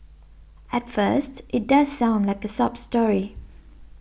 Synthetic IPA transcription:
ətfɜstʔɪt̚dazsãʊ̃ndlaɪkəsʌbstɔɹi

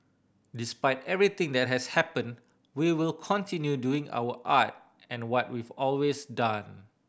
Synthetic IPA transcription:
dispaɪtɛvɹit̪ɪ̃ŋd̪ɛt̚ɦɛshɛpə̃n | wiwɪlkʰɔ̃ntʰĩnjuduɪ̃ŋʔa̰wəʔat̚ | ɛ̃nwɔt̚wivɔlwesdãn

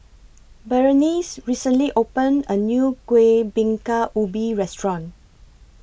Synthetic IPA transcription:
bɛɹənisɹisə̃nliʔopə̃nənjukwebĩŋkaʔubiɹɛstɹɔ̃n

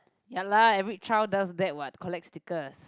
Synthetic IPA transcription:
jalaɛvɹit͡ʃʰɹawdasdɛt̚wat̚kʰɔlɛk̚tstikəs

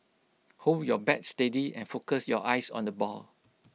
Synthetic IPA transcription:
holdjɔbɛt̚stədiɛ̰̃nfokəsjɔʔaɪsɔ̰̃ndəbɔ̰l

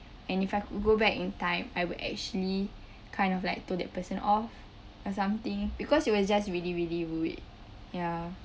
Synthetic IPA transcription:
ɛ̃nifajkud̚ɡobɛkĩntãɪ̃majwudɛ̰k̚t͡ʃuəli | kʰãɪ̃ndɔflaɪk̚toldɛ̰t̚pəsə̃nʔɔf | ɔsãmt̪ĩŋbikɔsit̚wɔsd͡ʒastɹiliɹiliɹuḭt̚ | ja

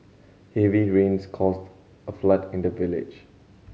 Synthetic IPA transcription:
hɛviɹẽnskʰɔst | əflatɪ̃ndəvɪlɪ̰d͡ʒ

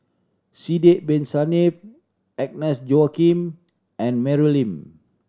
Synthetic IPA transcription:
sidɛʔ̚bɛ̃nsanif | ɛk̚nɛsd͡ʒoakĩm | ɛ̃nmɛɹilĩm

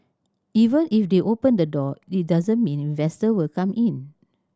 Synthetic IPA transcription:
ivə̃nifdeʔopə̃ndədɔit̚dazə̃nmĩnĩnvɛstəwilkãmʔĩn

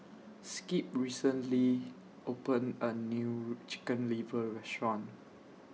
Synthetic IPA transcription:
skip̚ɹisə̃nli | ʔopə̃nənjut͡ʃi̥kə̃nlivəɹɛstɹɔ̃n

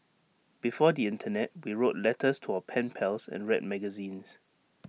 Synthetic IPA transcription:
b̥ifɔdiɪ̃ntʰənɛt̚wiɹotlɛtʰəstʰuawəpʰɛ̃npʰɛlsɛ̰̃nɹɛt̚mɛɡəzĩns

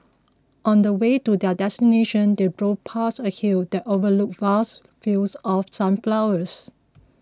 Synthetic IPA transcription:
ʔɔ̃ndəwetudɛdɛstineʃə̃ndebɹopʰasəhildɛtovəluk̚vas | filsɔfsãmflawəs

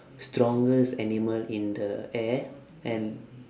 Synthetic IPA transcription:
stɾɔ̃ŋɡəsɛniməlĩnd̪əɛ | ʔɛ̃n

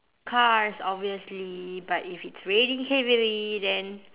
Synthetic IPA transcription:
kʰaɹsɔbviəslibatifitsɹeɾĩŋhɛvəɹidɛ̃n

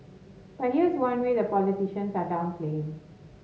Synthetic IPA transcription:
b̥at̚hiəɪzwãnwed̪əpɔlitiʃə̃nsadãʊ̃nplẽɪ̃ŋ

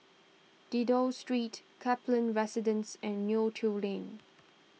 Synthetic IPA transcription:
d̥idostɹiːtkʰɛplə̃nɹɛsɪdə̃nsɛ̃nːjutʰulẽn

